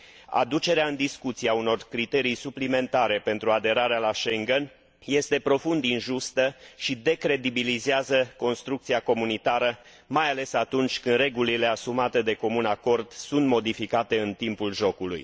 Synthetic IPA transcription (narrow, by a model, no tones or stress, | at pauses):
a̰d̪ut͡ʃe̞ɾeaɨnd̪iskut̪siauno̞rkɾit̪e̞ɾijsuplime̞nt̪aɾe̞pe̞nt̪ɾuad̪e̞ɾaɾealaʃe̞ŋɡen | je̞st̪e̞pɾo̞fund̪inʒust̪əʃid̪e̞kɾe̞d̪ibilizeazəko̞nst̪ɾuk̚t̪siako̞munit̪aɾə | majale̞sat̪unt͡ʃʲkɨnd̪ɾe̞ɡulile̞asumat̪e̞d̪e̞ko̞munako̞rd̪sunt̪mo̞d̪ifikat̪e̞ɨnt̪impulʒo̞kulṵj